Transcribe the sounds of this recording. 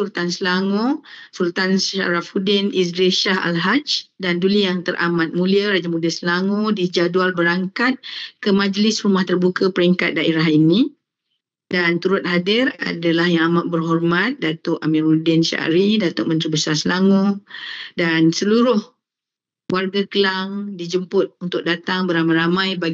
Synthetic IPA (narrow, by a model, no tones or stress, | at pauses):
sult̪ansəlaŋõsult̪ansa̰ɾafudɪnis̬ɡɾeʃaha̰lɦat͡ʃdandulijaŋt̪əɾʔa̰mat̪̚mũliaɾad͡ʒamuliasəlaŋodid͡ʒadualbəɾaŋkat̪̚kəmãd͡ʒlɪsrumaht̪ərbukapəɾiŋkat̪̚daʔeɾaɦinĩ | dant̪uɾʊt̪̚hadɪra̰dalahjaŋamat̪̚bərɦɔrmat̪̚dat̪ʊʔamirudɪnʃa̰ʔa̰ɾidat̪ʊʔ̚mənt̪ɾibəsarsəlaŋu | dansəluɾʊh | warɡakəlaŋdid͡ʒəmpʊt̪̚unt̪ʊk̚dat̪aŋbəɾamajɾamãjbaɡ